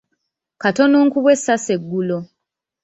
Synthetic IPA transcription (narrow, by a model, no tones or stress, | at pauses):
katonuːŋkuβwe̞sːase̞ɡːulo